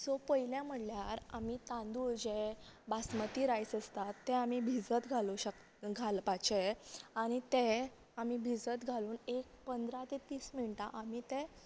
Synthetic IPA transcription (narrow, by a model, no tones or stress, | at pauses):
sɔpəjiljãm̤əʈljaɾamit̪ãnd̪ud͡ʑebasmət̪iːɾajsəst̪at̪ːɛ̃amibʱid͡zət̪ɡʱaluɕək | ɡʱalpat͡ɕeaɽ̃it̪ẽ | amibʱid͡zət̪ɡʱaluːnek̚pənd̪ɾat̪et̪iːsmiɳʈaʔamit̪ẽ